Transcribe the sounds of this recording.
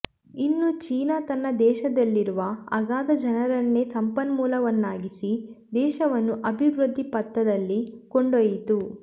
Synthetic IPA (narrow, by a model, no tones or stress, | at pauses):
inːut͡ʃiːnat̪ɐnːɐd̪ɛːʃɐd̪ɐlːiɾuʋɐɐ̰ɡaːd̪ɐd͡ʒɐnɐɾɐnːesɐmpɐnmuːlɐʋɐnːaːɡisid̪ɛːʃɐʋɐnːuʔɐbʱiʋɾud̪ʱːipɐt̪ːɐd̪ɐlːikoɳɖojit̪u